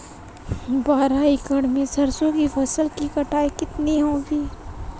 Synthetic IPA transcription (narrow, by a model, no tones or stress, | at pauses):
baːɾaikəɽmẽsɐɾsõkipʰɐsəlkikɐʈaːikɪt̪neɦõːɡiː